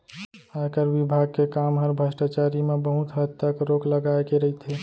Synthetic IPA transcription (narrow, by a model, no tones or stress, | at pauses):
akəɾʋibʱaɡ̚kekamɦəɾbʱəsʈat͡ʃaɾimebəɦut̪ɦəd̪t̪əkɾokləɡaekeɾəɦit̪ʰe